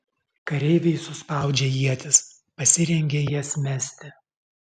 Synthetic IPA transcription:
kɐɾʲɛɪʋʲɛɪsʊspɑˑʊd͡ʒʲɛjiɛt̪ʲɪs | pɐsʲɪɾʲɛŋʲɡʲejiɛsʲmʲæsʲt̪ʲɪ

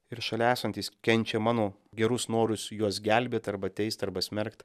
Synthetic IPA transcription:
ɪɾʃɐlʲæːsɐnʲt̪ʲiːskʲɛnʲt͡ʃʲeːmɑːnoː | ɡʲɛɾʊsnoːɾʊsjuɔsɡʲæˑlʲbʲeːt̪ʲɐɾbɐt̪ʲɛɪsʲt̪ɐɾbɐsʲmʲɛɾkt̪

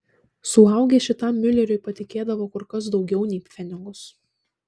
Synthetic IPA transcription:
sʊɐˑʊɡʲeːʃʲɪt̪ɐˑmːʲʊlʲɛɾʲʊɪpɐt̪ʲɪkʲeːd̪ɐʋoːkʊɾkɐsd̪ɒʊɡʲɛʊnʲɛɪpʲfʲɛnʲɪŋɡʊs

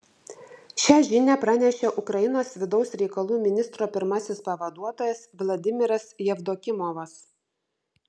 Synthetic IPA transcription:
ʃʲæːʒʲɪnʲæːpɾɑnʲɛʃʲeːʔʊkɾɐjɪnoːsʋʲɪd̪ɒʊsɾʲɛɪkɐlˠuːmʲɪnʲɪst̪ɾoːpʲɪɾmɐsʲɪspɐʋɐd̪uɔt̪oːjɛsʋlˠɐd̪ʲɪmʲɪɾɐsjɛʋd̪oːkʲɪmɔʋɐs

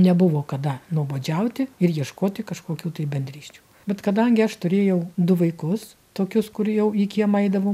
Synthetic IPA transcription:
nʲɛbʊʋoːkɐd̪ɐnuɔboːd͡ʒʲɛʊt̪ʲɪɪrjiɛʃkoːt̪ʲɪkɐʃkoːkʲuːt̪ɐɪbʲɛnʲd̪ʲɾʲiːʃʲt͡ʃʲu̥ː | bʲɛt̪kɐd̪ɐŋʲɡʲɪɐʃt̪ʊɾʲeːjɛʊd̪ʊʋɐɪkʊs | t̪oːkʲʊskʊɾjɛʊiːkʲiɛmɐɪd̪ɐʋɐʊ

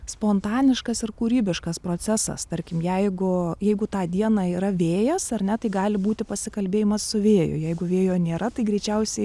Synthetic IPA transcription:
spoːnt̪ɑːnʲɪʃkɐsɪrkuːɾʲiːbʲɪʃkɐspɾoːt͡s̪ʲæsɐ̰st̪ɐɾʲkʲɪmjɛɪɡʊjɛɪɡʊt̪ɑːd̪ʲiɛnɑːiːɾɐʋʲeːjɛsɐrʲnʲɛt̪ɐɪɡɑːlʲɪbuːt̪ʲɪpɐsʲɪkɐlʲbʲeːjɪmɐssʊʋʲeːjʊ̰jɛɪɡʊʋʲeːjoːnʲeːɾɐt̪ɐɪɡɾʲɛɪt͡ʃʲɛʊsʲɛɪ

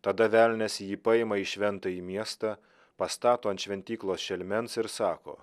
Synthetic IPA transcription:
t̪ɐd̪ɐʋʲælʲnʲɛsjiːpɑɪmɐiʃʲʋʲɛnt̪ɐiːmʲiɛst̪ɑ | pɐst̪ɑːt̪oːɐnt̪ʃʲʋʲɛnʲt̪ʲiːklˠoːsʃʲɛlʲmʲɛnsɪɾsɑːko̰ː

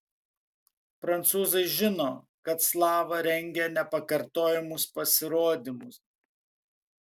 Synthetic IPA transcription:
pɾɐnt̪suːzɐɪʒʲɪnoː | kɐt̪slˠɑːʋɐɾʲɛŋʲɡʲɛnʲɛpɐkɐɾt̪oːjɛmʊspɐsʲɪɾoːd̪ʲɪmʊs

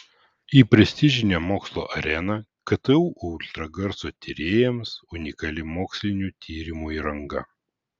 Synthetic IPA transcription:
iːpʲɾʲɛsʲt̪ʲɪʒʲɪnʲɛmoːkslˠo̰ːʔɐɾʲɛnɐkɐt̪ɛuːʔʊʊlʲt̪ɾɐɡɐɾsoːt̪ʲɪɾʲeːjɛmsʊnʲɪkɐlʲɪmoːksʲlʲɪnʲuːt̪ʲʰiːɾʲɪmuːiːɾɐŋɡɐ̰

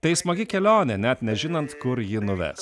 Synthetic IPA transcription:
t̪ɐɪsmɐɡʲɪkʲɛlʲoːnʲɛnʲɛt̪nʲɛʒʲɪnɐnt̪kʊɾjɪnʊʋʲɛ̰s

